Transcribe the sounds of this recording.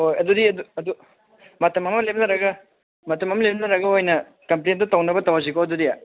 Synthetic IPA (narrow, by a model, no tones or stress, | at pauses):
hojɐdudiɐduɐdu | mɐtɐmɐmɐlebnɐɾɐɡɐ | mɐtɐmɐmɐlebnɐɾɐɡɐojnɐ | kɐmplentɐtɐwnɐbɐtɐwaz̬ikoɐdudia